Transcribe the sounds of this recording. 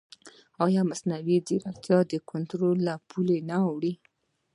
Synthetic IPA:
ɑjɑmasnawidiɾakt̪jɑd̪əkʊnt̪ɾolːapʰulenaːwɽi

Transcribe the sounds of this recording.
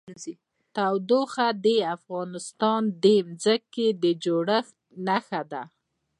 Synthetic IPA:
t̪awd̪oxad̪eafɣɑnɪst̪ɑnd̪emzəkːed̪əd͡ʒoɽəxt̪naxad̪a

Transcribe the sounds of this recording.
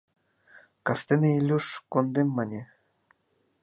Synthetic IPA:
kɑst̪enĕilʲːuʂkond̪emːɑnʲe

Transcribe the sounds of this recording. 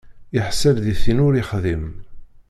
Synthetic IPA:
ɪħsælðiθinʊɾiχðim

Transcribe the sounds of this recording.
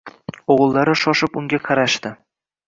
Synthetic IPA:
oʁlˠːaɾɪʃɒʃɪpʊŋɡʲaqʰɑɾaʃt̪ɪ

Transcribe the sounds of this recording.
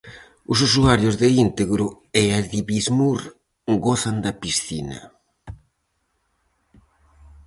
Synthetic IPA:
ʊs̬usuaɾjʊzðeint̪eɣɾʊ | eaðiβizmuɾ | ɡoθand̪ɐpisθina̰

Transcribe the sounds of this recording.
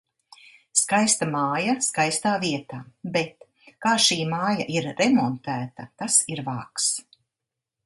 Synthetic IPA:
skajst̪amaːjaskajst̪aːviɛt̪aːbɛt̪ | kaːʃiːmaːja̰ʔiɾːɛmɔnt̪æːt̪ɐt̪asiɾvaːks

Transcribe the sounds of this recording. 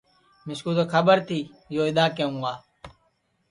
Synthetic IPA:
mɪskuːt̪oːkʰəbəɾt̪ʰiː | joːɪd̪aːkeːũːɡaː

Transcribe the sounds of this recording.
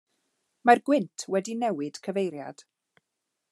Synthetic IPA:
marɡwɪntʰwɛdinɛwɨd̥kʰəvejɾja̰d̥

